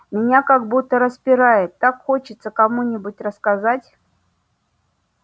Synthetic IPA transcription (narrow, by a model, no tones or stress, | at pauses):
mʲɪnʲakaɡbut̪ːəɾəspʲɪɾajɪt̪ːakxot͡ɕɪt̪səkɐmunʲɪbʊtʲrəskazatʲ